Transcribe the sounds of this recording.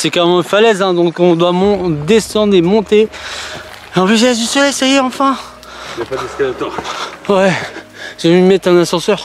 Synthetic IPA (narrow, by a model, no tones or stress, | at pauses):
sɛkaʁemɑ̃falɛzɛ̃d̪ɔ̃kɔ̃d̪wamɔ̃d̪esɑ̃d̪ʁemɔ̃t̪e | eɑ̃pliʒɛsd̪ysɔlɛjsajeɑ̃fɛ̃ | japad̪ɛskalat̪ɔʁwɛ | ʒ̥əvimɛt̪ɛ̃nasɑ̃sœʁ